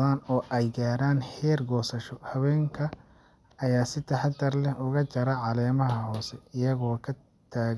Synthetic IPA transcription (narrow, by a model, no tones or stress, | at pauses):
ðaːnɔːʔɛjɡaːɾaːnhɛːrɡɔːsɐʃɔhɐwɛːŋkʰɐ | ɐjaːsɪt̪ʰɐħɑt̪ʰɐrlɛhʊɣɐt͡ʃɐɾɐʕɑlɛːmɐɦɐhɔːsɛɪjɐɣɔːkʰɐ | t̪ʰaːɣ